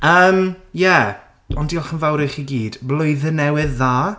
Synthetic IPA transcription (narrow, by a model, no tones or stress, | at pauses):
əːmjɛ | ɔndiɔχənvawɾɪχiɡiːd̥blˠʊɨðənɛwɨðːaː